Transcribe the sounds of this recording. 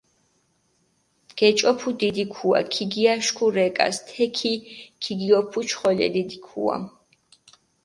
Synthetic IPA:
ɡ̥ɛt͡ʃʼɔpʰud̪id̪ikʰua̰kʰiɡiaʃkʰuɾɛkʼa̰st̪ʰɛkʰikʰiɡiɔpʰut͡ʃʰχɔlɛ̰d̪id̪ikʰṵa̰

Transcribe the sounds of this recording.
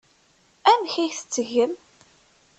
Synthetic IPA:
æmçæjθə̥t͡sːəʝəm

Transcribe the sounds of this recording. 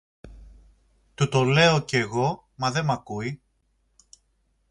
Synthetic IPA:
t̪ut̪o̞le̞oceɣo̞ | mɐðe̞mɐkui

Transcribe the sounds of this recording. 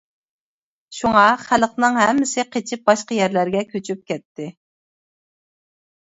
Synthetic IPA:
ʃuŋɑχæləqnɨŋɦɛmːɪsɪqʰet͡ʃʰɪp̚bɑʃqɑjɛɾlæɾɡʲɛkʲʰøt͡ʃʰyp̚kʲɛt̪ːɪ

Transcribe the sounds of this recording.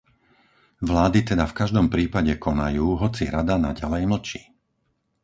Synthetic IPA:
ʋlaːd̪it̪ɛd̪afkaʒd̪ɔmpɾiːpaɟɛkʰɔnajuːɦɔt͡siɾad̪ana̰ɟalɛjml̩t͡ʃiː

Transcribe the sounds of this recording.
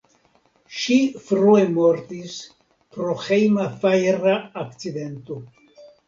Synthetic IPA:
ʃifɾuemoɾt̪is | pɾoxejmafajɾaːkt͡sid̪e̞nt̪o

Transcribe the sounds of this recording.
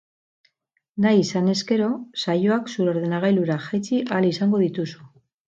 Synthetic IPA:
najisane̞ske̞ɾo̞sajoaksuɾo̞ɾðenaɣ̞ajluɾaʝajt͡siʔalisaŋɡo̞ðit̪usu

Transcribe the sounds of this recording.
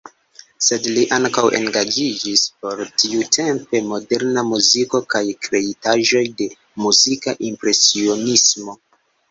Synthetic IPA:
se̞dliʔaŋkawʔe̞̰ŋɡad͡ʒid͡ʒispo̞ɾtʰiutʰe̞mpe̞mo̞de̞ɾnamuziko̞kajkɾe̞itaʒo̞jde̞ | muzikaʔimpɾe̞sio̞nismo̞

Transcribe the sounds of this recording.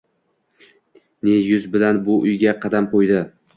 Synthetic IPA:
ne̞jʊzbɪlanbʊʔʊjɡʲaqʰɑd̪amqojd̪ɪ

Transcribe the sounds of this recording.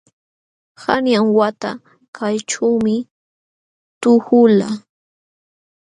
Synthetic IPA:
hanjaŋwat̪a̰ | kʰajʈ͡ʂawmɪ | t̪ʊhʊla

